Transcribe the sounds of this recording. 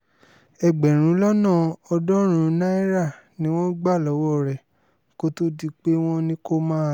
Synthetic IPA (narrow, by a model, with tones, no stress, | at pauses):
ɛ˧ɡ͡bɛ˨ɾ̃ũ˨˦lɔ˦nã˦˨ɔ˧dɔ̃˦ɾ̃ũ˨˦nã˦i˦ɾa˦˨ | nĩ˨˦w̃ɔ̃˦ɡ͡ba˦˨lɔ˨˦wɔ˦˨ɾɛ˨ | ko˦to˦di˦k͡pe˦w̃ɔ̃˦nĩ˦ko˦mãː˦˨